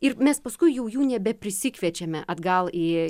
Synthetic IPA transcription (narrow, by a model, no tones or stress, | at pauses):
ɪrmʲɛspɐskʊɪjɛʊjuːnʲɛbʲɛpʲɾʲɪsʲɪkʋʲiɛt͡ʃʲɛmʲɛʔɐd̪ɡɐlˠɪ